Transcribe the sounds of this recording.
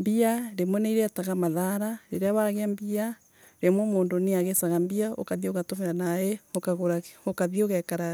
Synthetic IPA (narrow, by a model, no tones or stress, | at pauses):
mbiaɾemwoneiɾeataɣamaðaɾaɾeɾeaβaɣeambia | ɾemwomoːndoneaɣesaɣambiao̰kaðioɣatomeɾanaeokaɣoɾaokaðioɣɛkaɾa